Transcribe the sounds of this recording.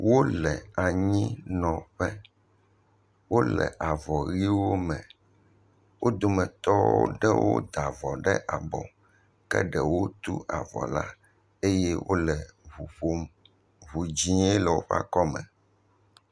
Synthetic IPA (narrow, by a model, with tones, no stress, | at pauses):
wo˦lɛ˨a˨ɲĩ˦nɔ̃˨ɸɛ˦ | wo˦lɛ̰˨ʔa˨vɔ˨ɣi˦wo˦mɛ̃˨ | wo˦d̪o˨mɛ̃˨t̪ɔ˦wo̰˦ɖɛ˦wo̰˦d̪a˨vɔ˨ɖɛ˦ʔa˨bɔ̰̃˨ | kɛ̰˦ɖɛ˨wo˦t̪u˦ʔa˨vɔ̰˨la̰˦ | e˦jɛ˦wʔo̰˦lɛ˨u˨ɸo˦ | βu˨d͡ʑĩ˦e˦lɛ˨wo˦ɸa̰˦kɔ˦mɛ̃˨